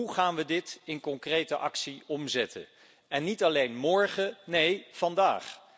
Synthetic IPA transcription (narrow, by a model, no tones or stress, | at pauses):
uχaːnʋədɪtɪnkɔŋkrejtəʔɑ̰ksiɔmzɛtʰə̰n | ɛnːitɑlejnmɔɹχənejv̥ɑndaːχ